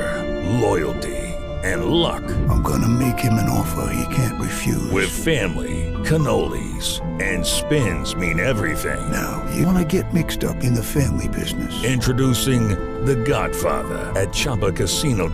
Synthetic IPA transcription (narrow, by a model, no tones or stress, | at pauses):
lɔɪl̩ˠtʰḭ | ɨ̃nlʌ̰kɪãɪ̃mɡʌ̰nəmeɪkhɨ̃mɨ̃nɔ̰fə̰˞hḭkʰæ̃nʔɹɨfjʉ̰wɪð̥fæ̃mlḭkʰɨnoʊlˠḭz̥ | ɨ̃nspɪ̃nzmĩnɛvɹiθɪ̰̃ŋna̰ʊjɨ̰wɑnɨɡɛt̚mɪkstʌ̰pɨ̃nðɨfæ̃mlibɪ̰znɨsɪ̃nt͡ʃɹ̥ɨdusɪ̃ŋ | ðɨɡɑ̰d̥fɑ̰ðə̰˞ɨt̚t͡ʃʰɑpəkʰɨsinoʊ